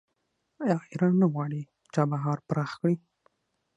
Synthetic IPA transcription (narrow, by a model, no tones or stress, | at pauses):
ɑxiɾanːaɣwɑɽi | t͡ʃɑbaɦɑɾpɾɑxkɽi